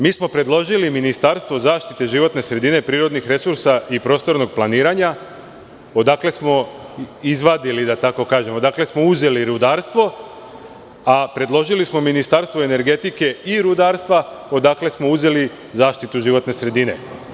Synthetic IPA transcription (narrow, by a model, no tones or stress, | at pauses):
miːsmo̞pɾe̞d̪lˠo̞ʒiliminist̪aɾst̪ʋo̞zaːʃt̪it̪e̞ʒiʋo̞t̪ne̞sɾe̞d̪ine̞pɾiːɾo̞d̪nixɾe̞suɾsaipɾo̞ːst̪o̞ɾno̞ɡ̚plˠaniːɾaɲa | o̞d̪aːkle̞smo̞ | izʋad̪ilid̪at̪ako̞kaːʒe̞mo̞d̪akle̞smo̞uze̞liɾud̪aːɾst̪ʋo̞ | apɾe̞d̪lˠo̞ʒilismo̞minist̪aːɾst̪ʋo̞ene̞ɾɡe̞t̪ike̞iɾud̪aːɾst̪ʋa | o̞d̪akle̞smo̞uze̞li | zaːʃt̪it̪uʒiʋo̞t̪ne̞sɾe̞d̪ine̞̰